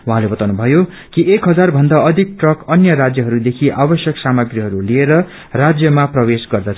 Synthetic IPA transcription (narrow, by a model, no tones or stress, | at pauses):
wɦãlebʌt̪awnubʱʌjo | kiekɦʌd͡zarbʱʌnd̪aʌd̪ʱik̚ʈrʌkʌnjʌrad͡zjʌɦʌɾud̪ekʰiʔabʌsjʌksamʌɡriɦʌɾulieɾʌ | rad͡zjʌmaprʌwesɡʌrd̪ʌt͡sʰ